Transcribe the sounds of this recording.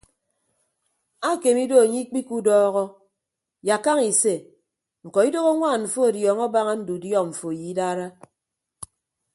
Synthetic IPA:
a˦˨ke˨mi˦do˦a˨ɲi˦k͡pi˦ku˦dɔː˦ɣɔ˦ | ja˨ka˦ŋi˨se˦˨ | ŋ̩˨kɔ˨i˦do˦ɣo˦ŋʷaː˦˨nɱ̩˨fo˦a˨djɔː˨ŋɔ˦ba˦ŋa˦n̩˦du˨djɔ˦˨ɱ̩˨fo˨ji˨i˦daː˦ɾa˦

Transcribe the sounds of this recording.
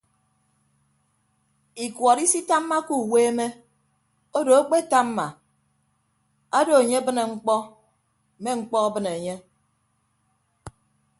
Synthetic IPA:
i˨kwɔ˨ɾi˦si˦ta˦mːa˦ku˦˨weː˦me˦ | o˦do˨a˦k͡pe˦ta˦mː˦a˨ | a˦do˨e˨ɲe˦bɨ˦ne˨ŋ͡m̩˦k͡pɔ˦˨ | me˦ŋ͡m̩˦k͡pɔ˦a˦bɨ˦ne˨ɲe˦

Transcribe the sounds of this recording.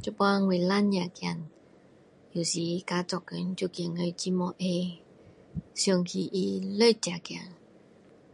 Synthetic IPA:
t͡ɕu˧˨pwa˧ŋwe˨la˧˥˦nɲa˨kja˨n | ju˨˩˨si˧˨˦ka˧˦t͡sɔ˨kə˨˦n˦t͡ɕu˧˨kŋə˧˨t͡ɕi˧mɔ˧ʔe˧ | su˧˨ŋkʰi˧˩ʔi˧˩lə˥˧˨t͡ɕa˨kja̰˨n

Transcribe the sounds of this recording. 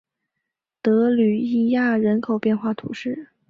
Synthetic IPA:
t̪ɤ˧˥ly˨˩i˥˧ja˥˩ɻə˧˥nkʰo˨˩ʊpjɛ˥˧nxwa˥˩t̪ʰṵ˧˥ʂɻ̩˥˩

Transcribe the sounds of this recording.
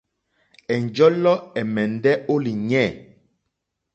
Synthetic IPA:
ɛ˨n˨d͡ʒɔ˦lɔ˦ɛ˨mɛ˨ndɛ˦o˦li˨ɲɛ˦˨

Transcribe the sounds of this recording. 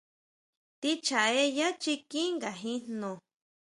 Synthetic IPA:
t̪i˧t͡ʃa˨e˧˦ja˦t͡ʃi˧kĩ˦ŋɡa˨ɦĩ˧nnõ˨

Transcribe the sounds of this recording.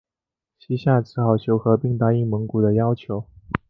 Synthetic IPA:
t͡ɕʰi˧˥ɕja˥˩ʈ͡ʂʰɻ̩˧˥xɑ˨˩ʊɕʰjo˧˥ʊxɤ˧˥pi˥˩ŋt̪a˥i˥˩mə˧˥ŋku˨˩d̪ə˦jɑ˥ʊt͡ɕʰjo˧˥ʊ

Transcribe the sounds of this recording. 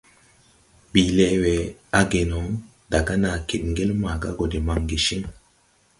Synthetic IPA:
bi˨le˦we˨a˦ɡe˨no˨˦ŋ | da˨ɡa˦na˨ke˨t̚ŋɡe˦lma˨ɡa̰˦ɡo˨de˨ma˨ŋɡi˨ʃi˦ŋ

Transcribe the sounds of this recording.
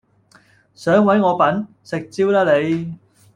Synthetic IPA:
sœː˨˥ŋwɐ˨˥jŋɔː˨˧pɐ˨˥n | sɪ˨k̚t͡siː˥wlaː˥le˨˧j

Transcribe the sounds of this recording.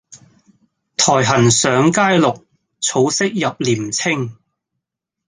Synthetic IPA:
t̪ʰɔː˨˩jɦɐ˨˩nsœː˨˧ŋkaː˥jlʊ˨k̚ | t͡sʰo˨˧wsɪ˥k̚jɐ˨p̚liː˨˩mt͡sʰɪ˥ŋ

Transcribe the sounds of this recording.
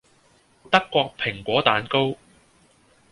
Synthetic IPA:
t̪ɐ˥kːʷɔː˧k̚pʰɪ˨˩ŋkʷɔː˨˥t̪aː˨˧nko˥w

